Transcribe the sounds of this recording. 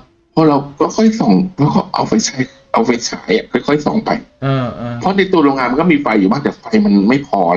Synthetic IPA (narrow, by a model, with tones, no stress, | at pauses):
pʰɔ˧˥ɾa˧wkɔː˥˩kʰɔ˥˩jsɔ˨˩˦ŋpʰɔ˧˥kɔː˥˩ʔa̰˧wfa˧jt͡ɕʰa˦˥j | ʔa˧wfe˧t͡ɕʰaː˩˦jʔa˨˩kʰɔ˥˩jkʰɔ˥˩jsɔ̰˨˩˦ŋpa̰˧j | pʰɔ˧˥na˧jt̪u˧ɾoː˧ŋaː˧ma˧nkɔː˥˩miː˧fa˧jːuː˨˩baː˥˩ŋt̪ɛː˨˩fa˧jma˧nma˥˩jpʰɔː˧